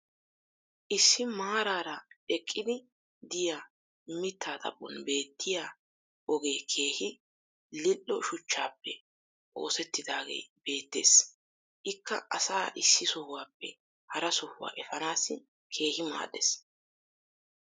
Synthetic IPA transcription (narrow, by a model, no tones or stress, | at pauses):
ʔɪsːɪmaːɾaːɾɐʔɛkʼːɪd̪ɪ | d̪ɪjaː | mɪt̪ːaːt̪ʼɐ̰pʼːɔ̰nbe̞ːt̪ʰːɪjaː | ʔɔɡe̞ːkʰe̞ːhɪ | lɪlːɔʃʊt͡ʃːaːpːɛ | ʔo̞̰ːsɛt̪ːɪd̪aːɡḛːb̥e̞ːt̪ːe̞̰ːs | ʔɪkːɐ̰ʔɐsaːʔɪsːɪsɔhʊwaːpːɛ̰ | hɐɾɐsɔhʊwa̰ːʔɛfɐnaːsɪ | kʰe̞ːhɪma̰ːɗɛs